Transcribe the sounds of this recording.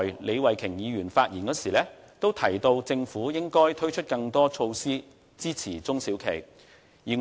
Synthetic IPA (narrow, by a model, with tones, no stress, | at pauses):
jle˨˧jwɐ˨jkʰɪ˨˩ŋjiː˨˧ɥyː˨˩nfaː˧t̚jiː˨˩nkɔː˨˥siː˨˩lɛː˥ | t̪o˥wt̪ʰɐ˨˩jt̪o˧wt͡sɪ˧ŋfuː˨˥jɪ˥ŋkɔː˥jt̪ʰɵ˥ɥt͡ʃʰɵ˥t̚kɐ˧ŋt̪ɔː˥t͡ʃʰo˧wsiː˥ | t͡siː˥t͡sʰiː˨˩t͡sʊ˥ŋsiː˨˥wkʰḛ˨˩j | jiː˨